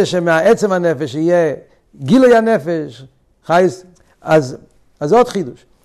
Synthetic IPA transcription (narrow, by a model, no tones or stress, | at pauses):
ɛʃɛmɪaɛt͡sɛmanɛfɛʃijɛ | ɡilˠoɪhanɛfɛʃ | χajs | az | azɔtχiduʃ